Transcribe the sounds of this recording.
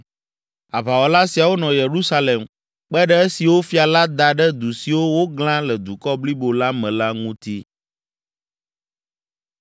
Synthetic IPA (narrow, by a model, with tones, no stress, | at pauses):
a˨βa˨wɔ˨la˦si˨a˨wo˦nɔ̃˨je˨ɾu˦sa˦le˨m | k͡pɛ˦ɖɛ˦e˦si˨wo˦fi˦a˨la˦d̪a˨ɖɛ˦d̪u˨si˨wo˦wo˦ɡlã˦lɛ˨d̪u˨kɔ˦bli˦bo˨la˦mɛ̃˨la˦ŋũ˦t̪i˦